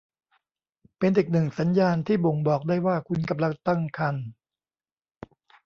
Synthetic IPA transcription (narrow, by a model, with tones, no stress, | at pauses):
pe˧nʔeː˨˩k̚nɯ˨˩ŋsa˩˦njaː˧nt̪ʰiː˥˩bo˨˩ŋbɔː˨˩k̚daː˥˩jwaː˥˩kʰu˧nka˧mla˧ŋt̪a˥˩ŋkʰa˧n